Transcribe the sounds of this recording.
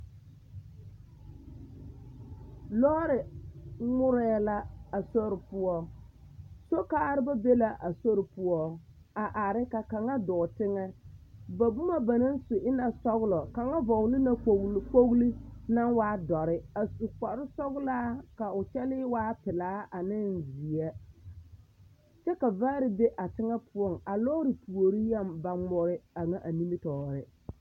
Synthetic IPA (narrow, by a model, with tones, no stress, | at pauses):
lɔ˦ɾɪ˨ŋʊ˦ɾɛː˦la˦a˨so˦ɾɪ˨pʊ˦ɔ˦ | so˦kaː˦ɾɪ˦ba˦be˦la˦ʔa˨so˦ɾɪ˨pʊ˦ɔ˦ | a˨ʔa˨ɾɪ˦ka˨ka˨ŋa˦dɔː˨tɪ˦ŋɛ˦ba˨bʊ˦ma˦ba˨na˦n˦sʊ˨ʔɪ˦na˨sɔ˦ɣlɔ˨ka˨ŋa˦vɔ˨ɣlɪ˦na˦k͡po˦ɣli˦na˦nwaː˦dɔ˨ɾɪ˦a˨su˨k͡pa˨ɾɪ˦sɔ˦ɣlaː˦ka˨ʊ˨t͡ʃɛ˦lɪ˦waː˦pɪ˨laː˦ʔa˨nɪ˦nzi˨a˦ | t͡ʃɛ˦ka˨vaː˦ɾɪ˦be˦ʔa˨tɪ˦ŋɛ˦pʰʊ˦ɔ˦˨ŋa˨lɔː˦ɾɪ˨pu˨o˨ɾi˦ja˦˨mba˦mɔ˦ɾɪ˦a˨ŋa˦ʔa˨ni˦mi˦tɔː˨ɾɪ˦